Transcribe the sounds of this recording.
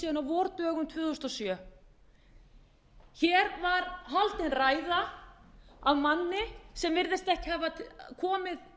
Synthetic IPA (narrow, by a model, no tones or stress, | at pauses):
siːðanawvɔːɾt̪œːɣʏmt̪ʰvʏːθust̪ɔsjœ | çɛːɾvaɾɦalt̪ɪnraːjða | awmanːɪsɛmvɪɾðɪst̪ɛhcɪ̥havakʰɔːmɪð